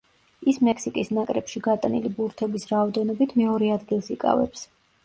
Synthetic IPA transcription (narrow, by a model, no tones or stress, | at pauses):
ismɛksikʼisnakʼɾɛpʃiɡat̪ʼanḭlibuɾt̪ʰɛbisɾaɔd̪ɛnɔbit̪ʰmɛɔɾɛad̪ɡilˠsikʼa̰vɛ̰ps